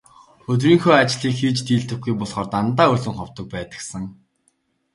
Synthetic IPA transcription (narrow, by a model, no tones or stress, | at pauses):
ɵt̪̬riːŋxoːat͡ɕɮiːkxiːt͡ɕt̪iːɮt̪ɵ̆xɡujpɔɮχɔːrt̪ant̪aːɵɮɵ̆ŋχɔw̥t̪ɞ̆k̚pæːt̪ə̥̆ksə̆ŋ